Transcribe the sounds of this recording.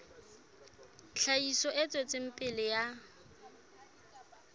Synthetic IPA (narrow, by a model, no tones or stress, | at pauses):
ɬʰaisɔʔɪt͡sʼwet͡sʼɪm̩pʼɪlɪja